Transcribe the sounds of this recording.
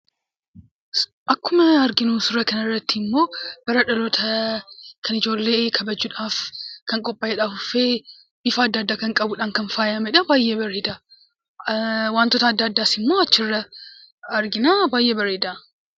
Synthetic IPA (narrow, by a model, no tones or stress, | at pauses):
ʔɐkːʊmɐɐɾɡɪnuːsʊɾɐkɐnɪrːɐt̪ːɪɪmːo̞ːb̥ɐɾɐᶑɐlɔt̪ʰɐ | kʰɐnɪd͡ʒo̞ːlːe̞ːkʰɐbɐd͡ʒuᶑaːfkɐŋkʼɔpʼːaɛᶑaːfʊfe̞ː | bɪfɐːd̪ːɐːd̪ːaːkɐŋkʼɐbʊᶑaːnkɐnfaːjɐmɐᶑɐbaːjːeːbɐɾeːd̪a | waːnt̪oːt̪ɐd̪ːɐːd̪ːaːsɪmːo̞ːɐt͡ʃːɪrːɐ | ɐɾɡɪnaːbaːjʔeːbɐɾeːd̪aː